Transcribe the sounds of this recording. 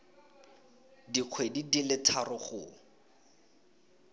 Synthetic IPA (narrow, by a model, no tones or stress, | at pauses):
diq͡χʰwedidilɪtʰarʊχʊ